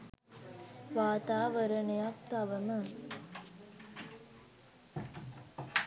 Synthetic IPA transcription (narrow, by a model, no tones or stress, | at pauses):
ʋaːt̪aːʋɐɾɐnejak̚t̪ɐʋəmə